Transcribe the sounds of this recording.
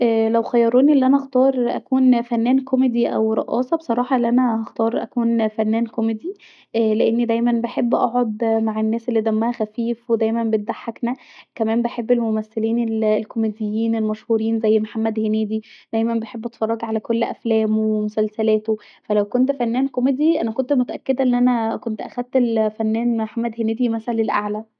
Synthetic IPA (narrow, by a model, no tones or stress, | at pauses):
ʔælæwxæjːɑɾˤoːniʔelːiʔænæʔxt̪ɑːɾˤʔæ̰kuːnfænːæːnkomed̪iʔæ̰wɾˤɑ̰ʔɑ̰ːsˤɑbesˤɑɾˤɑːħɑʔelːiʔænæhɑxt̪ɑːɾˤʔæ̰kuːnfænːæːnkomed̪i | leʔenːid̪æjmænbeħebːʔɑʕʕod̪maʕenːæːselːiːd̪æmːæhæxæfiːfwed̪æjmæmbet̪̚d̪aħːaknækæmæːmbeħebːelmomæsːeliːnellkomed̪ejːiːnelmæʃhuːɾiːnzæjːmħamːæd̪heneːd̪id̪̥æjmænbeħebːɑt̪fɑrˤːɑɡʕalækolːʔæflæːmowemosælsælæːt̪o | fælæwkont̪fænːæːnkomed̪iʔænækont̪mot̪æʔækːed̪æʔenːʔænækont̪ʔæxæd̪̚t̪elfænːæːnmħamːæd̪heneːd̪imæsælælelʔaʕlæ